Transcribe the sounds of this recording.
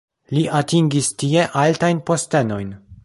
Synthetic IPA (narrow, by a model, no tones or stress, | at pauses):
liʔatiŋɡistie̞ʔaltajnpo̞ste̞no̞jn